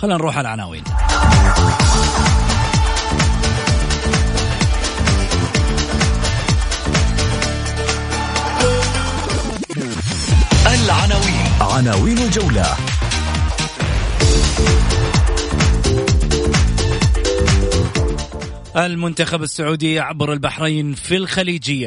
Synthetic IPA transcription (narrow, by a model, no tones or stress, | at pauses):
xalːanɾuːħalʕana̰ːwḭːn | ʔalʕanawiːnʕanaːwiːnald͡ʒawla̰ | ʔalmʊnt̪axabasːaʕuːd̪ɪjːaʕabɾɪlbaħɾaiːnfilxaliːd͡ʒɪjːa